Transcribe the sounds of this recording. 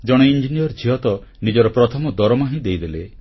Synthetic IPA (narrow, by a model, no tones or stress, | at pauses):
d͡ʒɔɽ̃ɔind͡ʒinijɔɾd͡ʒiɦɔt̪ɔ | nid͡ʒɔɾɔpɾɔt̪ʰɔmɔd̪ɔɾɔmaɦĩd̪ejd̪ele